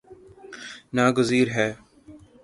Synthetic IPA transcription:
naːɡʊziːɾɦɛː

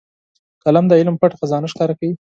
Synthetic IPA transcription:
kalamd̪əɪlmpaʈxazɑnaʃkɑɾakawi

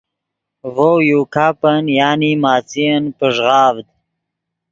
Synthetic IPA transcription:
vowjukʰaːpənjaːnimaːt͡siənpəʐʁɑːvd̪̚

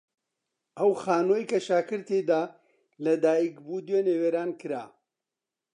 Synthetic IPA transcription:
ʔɐwxaːnoːjkɐʃaːkɨɾt̪ed̪aː | lɐd̪aːjikbuːd̪weːneːweːɾaːnkɨɾa̰ː

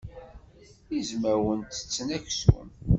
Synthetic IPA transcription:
izməɾwənt̪ə̥t͡sːnæçsṵn

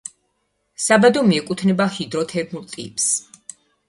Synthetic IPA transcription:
sabad̪ɔmiɛkʼut̪ʰnɛbahid̪ɾɔt̪ʰɛɾnulˠt̪ʼḭpʼs

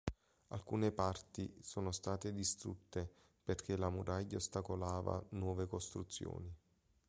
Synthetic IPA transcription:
a̰lkuːnepart̪isoːnost̪aːt̪ed̪ist̪ɾṵt̪ːe | perk̟elamuɾʔaʎːaost̪akolaːva̰nwɔːvekost̪ɾut̪sːjo̰ːni

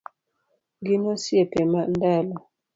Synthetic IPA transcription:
ɡinosiepɛmandalɔ

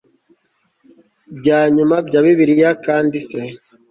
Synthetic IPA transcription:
bɟaːɲumabɟaːβiβiɾijakaːndise

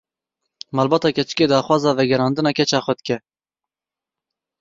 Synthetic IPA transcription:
mɑːlbɑːt̪ɑːkʰɛt͡ʃɨ̥keːd̪ɑːxwɑːzɑːvɛɡɛɾɑːnd̪ɨnɑːkʲʰɛt͡ʃɑːxwɛd̪ɨkʲɛ

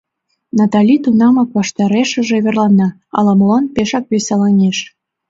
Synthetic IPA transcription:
nɑt̪ɑlʲit̪unɑmɑk̚βɑʃt̪ɑɾeʃə̆ʒeβerlɑnːɑ | ɑ̰lɑməlɑnpeʃɑk̚βesɑlɑnʲeʃ

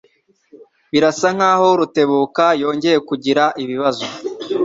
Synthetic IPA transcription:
βiɾasaŋ̥haːhoɾute̞βuːkajo̞ːɲɟe̞je̞kuɟiɾaʔiβiβazo

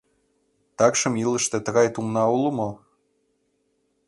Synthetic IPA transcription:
t̪ɑkʃə̆milə̆ʃt̪ĕt̪ə̆ɣɑjt̪umnɑulə̆mo

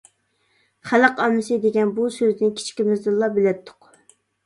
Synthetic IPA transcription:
χæləqɑmɨsɨd̪eɡʲɛnbusøznɪkʲʰi̥t͡ʃkʲimɪzd̪ɨlˠːɑbɪlɛpt̪ʰːʊ̥q

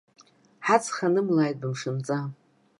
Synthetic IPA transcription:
ħat͡sʰʼχanɨmlaːjt̚ʼbɨmʂɨmt͡sʼa

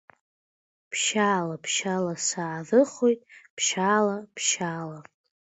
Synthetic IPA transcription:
pʰʃaːlapʰʃalasaːðɨχo̞jtʼpʰʃalapʰʃaːla

